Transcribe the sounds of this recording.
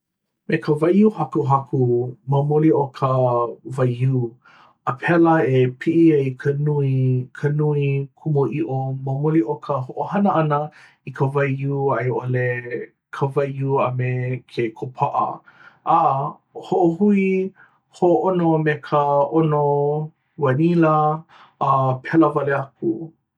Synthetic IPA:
mekʰəvajuhakuɦakʰumɐmoliʔokʰəvajjuː | əpʰɛləepʰiʔiɐikʰənuikʰənuikʰumoʔiʔomɐmoliʔokʰəhoʔohɐnəɐnə | ikʰəvɐjjuːajʔole | kʰəvajuɐmekʰekʰopʰaʔɐ̰a | hoʔohui | hoʔoʔonomekʰəʔono | wɐniləː | pʰɛləvɐleɐku

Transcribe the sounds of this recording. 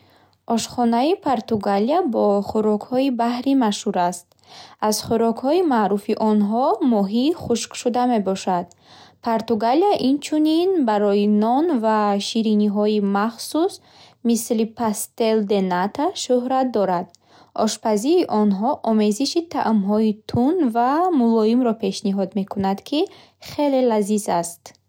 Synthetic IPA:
ʔɔʃχɔnaipʰoɾt̪uɡaliabɔχuɾɔkhɔibahɾimaʃhuɾast̪̚ | azχuɾɔkhɔimaʔɾufiʔɔnɦɔmɔɦiːχuʃkʃud̪ame̞bɔʃad̪ | pʰoɾt̪uɡaliaʔint͡ʃʰuninbaɾɔinɔnvaʃiɾiniɦɔimaχsus | mislipʰast̪e̞ld̪e̞nat̪ʰaʃuhɾat̪̚d̪ɔɾad̪ | ʔɔʃpaziɾiʔɔnɦɔʔɔme̞ziʃit̪ʰa̰ʔumɦɔit̪ʰunvamulɔimɾɔpʰe̞ʃniɦɔd̪me̞kʰunad̪kʰi | χe̞le̞lazizast̪

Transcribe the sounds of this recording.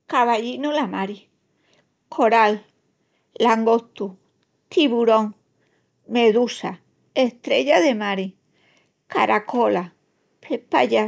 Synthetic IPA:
kaβaʎinulamaɾi | kʰoɾalː | aŋɡot̪u | t̪iβuɾoŋ | meðusa | eht̪ɾeʎaðemaɾi | kaɾakola | pʰepaʎa

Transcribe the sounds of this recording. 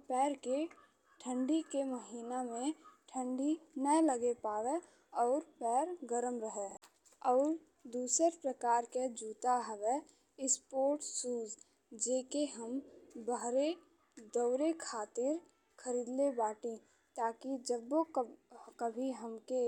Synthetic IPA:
pɛːɾke | ʈʰə̃ɳɖikeməɦiːnamẽʈʰə̃ɳɖinələɡepaːʋe | ɔːɾpɛːɾɡəɾəmɾəɦe | ɔːɾ | d̪uːsəɾpɾəkaːɾked͡ʒuːt̪aɦɛʋe | ɪspoːɾʈsuːd͡ʒ | d͡ʒeːkeɦəmbəɦɾe | d̪ɔʊɾekʰaːt̪ɪɾ | kʰəɾiːd̪lebaːʈĩ | t̪aːkid͡ʒəbo | kəbʱiɦəmke

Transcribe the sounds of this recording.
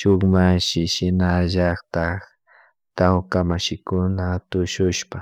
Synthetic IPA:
ʃʊŋmaʃɪʃɪnaʒɑχt̪a | t̪awkamaʃɪkʊnat̪ʊʃʊʃpa

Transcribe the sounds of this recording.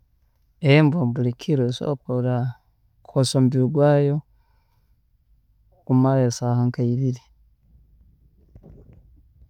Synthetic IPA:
embombulikʰiɾeso̰poɾa | kukosombiɾuɡwaːjo | kumalesahaŋkaiβiɾi

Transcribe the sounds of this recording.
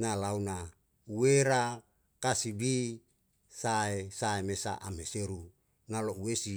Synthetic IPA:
nalauna | uweɾa | kasibi | saesaemesa̰ʔamheseɾu | nalouwesi

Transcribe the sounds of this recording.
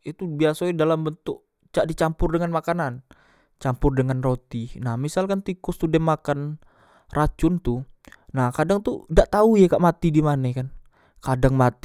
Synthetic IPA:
it̪ubiasadalambənt̪ʊk | t͡ʃaʔdit͡ʃampʊrdəŋanmakanan | t͡ʃampʊrdəŋanrot̪inahmisalkant̪ikɔst̪udɛmakan | rʔat͡ʃʊnt̪ʊnahkadaŋt̪udaʔt̪aujakaʔmat̪idimanakan | kadaŋmat̪i̥

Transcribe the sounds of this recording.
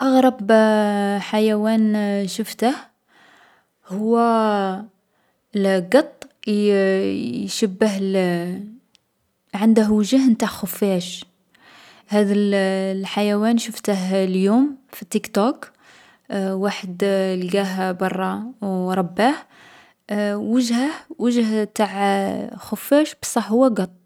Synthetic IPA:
ʔɑɣɾˤɑb | ħajæwænʃəft̪əh | hʊwːæ | lɡɑt̪ˤː | ʃəbːəɦl | ʕənd̪əɦwʒəhnt̪aʕxʊfæʃ | hæd̪əllħajæwænʃəft̪əɦljumfit̪ːikt̪ok | waħəd̪lɡæɦbɑrˤːɑwɾˤɑbːah | wəʒhəhwəʒht̪aʕxʊfːæʃbəsˤɑħhʊwːæɡɑt̪ˤː

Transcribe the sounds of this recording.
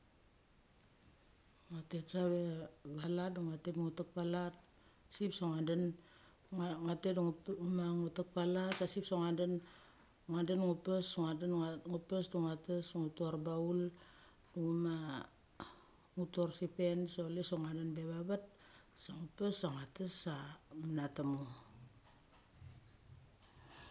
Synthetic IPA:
ŋatetsaβeβalat̚duŋatepŋutak̚palat | sipsoŋanden | ŋatedŋŋumaŋutak̚palatsasipsoŋanden | ŋandenŋupesoŋadenŋupesduŋatasŋutuaɾbaul | duŋuma | ŋutuorsipe̞nsolesoŋandanbeβabat̚ | saŋupesaŋatasamanatamu

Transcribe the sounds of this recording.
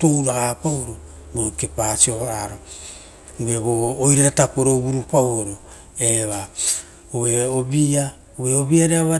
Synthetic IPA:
towɾaapawɾo | ɡokepasioβaɾo | βeβoːjɾaɾatapoɾobuɾupawoɾo | eβa | oβeoβia | oβeoβiaɾeaβa

